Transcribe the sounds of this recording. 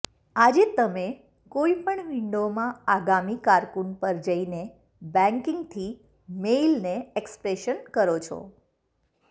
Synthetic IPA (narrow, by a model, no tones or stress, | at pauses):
ad͡ʒet̪əme | koipəɳʋɪɳɖomãaɡamikaɾkunpəɾd͡ʒəine | bɛ̃ŋkɪŋɡt̪ʰi | meilneekspɾeʃənkəɾot͡ʃʰɔ̰